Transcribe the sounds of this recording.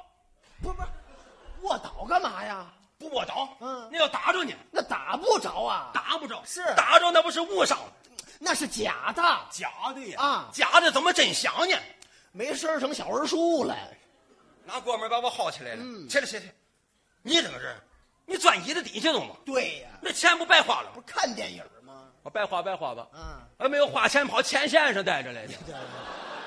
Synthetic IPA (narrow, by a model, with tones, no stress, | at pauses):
pu˧˥˩wɔ˥˩t̪ɑ˨˩˥ʊɡə˥˧ma˨˧˩ja˧ | pu˧˥wɔ˥˩t̪ɑ˧˥ʊ˥˧˩a˧jɑ˥˩ʊt̪a˧˥ʈ͡ʂɔ˥˩nḭ˨˧˩na˥˩t̪a̰˨˧˥pu˥˩ʈ͡ʂɑ˧˥ʊɐ˧t̪a˧˥pu˥˩ʈ͡ʂɑ˧˩ʊʂɻ̩˥˩t̪a˨˧˥ʈ͡ʂɑ˥ʊna˥˩pu˧˥ʂɻ̩˥˧wu˥˩ʂɑ̰˥˩ŋ | na˥˧ʂɻ̩˥˩t͡ɕja̰˨˩˦d̪ə˧t͡ɕja̰˨˩˥t̪we˥˩˨t͡ɕja˨˧˥d̪ə˥˧t͡sə˧˥nmə˧ʈ͡ʂə˨˩nɕjɑ̰˨˧˥ŋnɛ˧˩ | me˧˥ɪʂə˥˧ʈ͡ʂʰɤ˧˥ŋɕjɑ˨˩ə˧˥ʂu˥˩lə̰˨˧˩ | na˧˥kwɔ˧mə˧˥pa˧˥wɔ˧xɑ˥˩ʊt͡ɕʰi˨la˧˥ɪlə˧˩ɛ˥nə˧˩jɛ˥ɛ˥ | ni˧˥ʈ͡ʂə˨˩ŋɡə˧ɻə̰˥˩ | ni˧˥t͡swa˨˩ni˧˥d̪ə˧t̪̬i˨˩ɕɛ˥t̪ʊ̰˧˨˩ŋmɐ˧˦t̪we˥˩ɪna˥˩t͡ɕʰjɛ˥npu˧˥pa˥˧ɪxwa̰˥˩lə̰˨kʰa˥˧nt̪jɛ˧˩njə̰˨˩mɐ˧ | ɔ˧˩pa˥˧ɪxwa˥˧pa˥˧ɪxwa̰˥˩bɐ̰˨˧ə˧˥me˧˥ɪjo˧ʊxwa˥˩t͡ɕʰjɛ˥npʰɑ˧˥ʊt͡ɕʰjɛ˥nɕ̬jɛ˥˧nʂɑ˧ŋt̪a˥˧ɪʈ͡ʂə˧la˧˩ɪd̪ə˧˥˩